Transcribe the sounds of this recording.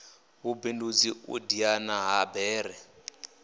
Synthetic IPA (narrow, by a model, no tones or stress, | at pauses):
ɦubindud͡ziṵdianaɦabɛːɾɛ